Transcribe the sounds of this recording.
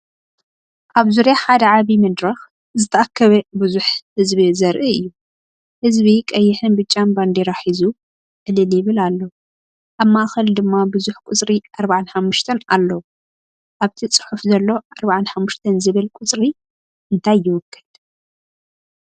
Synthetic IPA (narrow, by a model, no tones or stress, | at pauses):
ʔaβzuɾaħad̪ɐʕaβimɐd̪ɾɐx | zɨt̪ʰɐʔakʰːɐβɐbɨzuħhɨzbizɐɾʔiɨjːu | hɨzbikʼɐjːɪħɨnbɨt͡ʃʼːanband̪eɾaħizu | ʕɨlɨljɪβɨlalːow | ʔaβmaʔxɐld̪ɨmːabɨzuħkʼʊt͡sʼɾiʔaɾbaʕanħamːʊʃt̪ʰɐna̰lːɐwu | ʔaβt̪ʰit͡sʼɨ̥ħufzɐlːo̞ʔaɾbaʕanħamːuʃt̪ʰɐnzɨβɨlkʷʼʊt͡sʼɾi | ʔɨnt̪ʰajːɪwɔkʰːɨ̥d̪̥